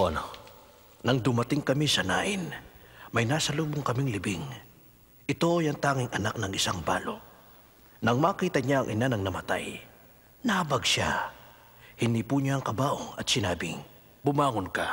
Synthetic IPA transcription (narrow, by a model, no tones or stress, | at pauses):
ono | nɐŋd̪ʊmɐt̪ɪŋkɐmisɐna̰ːʔɪnmɐjnaːsɐluːboŋkɐmiŋlɪbɪŋ | ʔɪt̪o̞ʔjɐŋt̪aːŋɪŋʔɐnak̚nɐŋɪsaŋba̰ːlo̞̰ | nɐŋmaːkiːt̪ɐɲaɐŋʔɪ̰nanɐŋnɐmɐt̪a̰j | nɐhɐbɐɡʃa̰ | hɪnd̪iːpuɲaɐŋkɐbaːʔoŋɐt̪̚sɪnaːbɪ̰ŋ | bʊmaːŋonka̰